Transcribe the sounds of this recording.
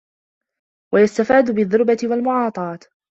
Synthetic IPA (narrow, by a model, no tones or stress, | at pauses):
wajast̪afaːd̪ʊbɪðːʊɾbat̪ɪwalmʊʕɑːt̪ˤɑːt̪